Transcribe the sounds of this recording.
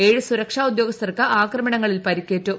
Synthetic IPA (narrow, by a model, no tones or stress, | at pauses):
e̞ːɻusuɾɐkʂaːud̪jo̞ːɡɐst̪ɐrkɨʔaːkrɐmɐɳɐŋːɐɭilpɐɾikʲːe̞ːtːu